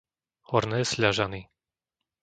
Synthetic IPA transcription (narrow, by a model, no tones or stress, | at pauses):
hɔɾnɛːsʎaʒani